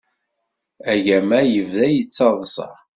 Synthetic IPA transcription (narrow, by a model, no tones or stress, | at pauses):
æʝæmæjəvðæjət͡sːɑðˤsɑ̰ʁ